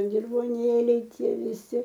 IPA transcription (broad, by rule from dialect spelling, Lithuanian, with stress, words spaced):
dʲɪrʋoːˈnʲeːlʲɛɪ ˈtʲiɛ ʋʲɪˈsʲɪ